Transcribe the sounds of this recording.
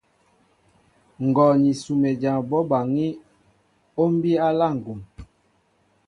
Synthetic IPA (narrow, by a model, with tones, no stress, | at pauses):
ŋ˨ɡɔ˨ni˨su˨me˨d͡ʒa˨bɔ˦ba˨ŋi˦ | o˦m˦bi˦a˦la˦˨ŋ̩˨ɡu˨m